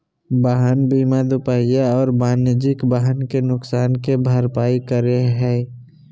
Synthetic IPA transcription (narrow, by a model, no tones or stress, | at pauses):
baːɦənbiːmad̪ʊpaːijaɔːɾbaːnjəd͡ʒɪkbaːɦənkenʊksaːnkebʱəɾpaːikəɾeɦɛ̃ː